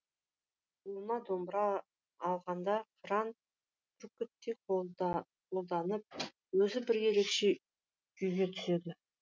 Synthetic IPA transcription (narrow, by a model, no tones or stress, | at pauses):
ulˠnɑd̪ombɾɑː | lˠʁɑnd̪ɑqʰɾɑn | t̪ʰɾkʲːʏt̪ːeqo | qʰo̞lˠd̪ɑnəp̚ | wɵzɪbɪɾje̞ɾe̞kʃe̞ | kʰʏjɡʲe̞t̪ʰʏ̥se̞d̪ɪ